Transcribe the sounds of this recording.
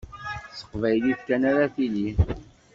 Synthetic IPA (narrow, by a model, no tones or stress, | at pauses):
sə̥qvæjlifkænaɾaθili